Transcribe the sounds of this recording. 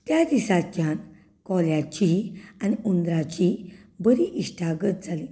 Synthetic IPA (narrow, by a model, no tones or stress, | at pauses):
t̪jad̪isat͡ɕjãn | kɔljat͡ɕianiund̪ɾat͡ɕibəɾiʔiʂʈʰaɡət̪̚d͡zali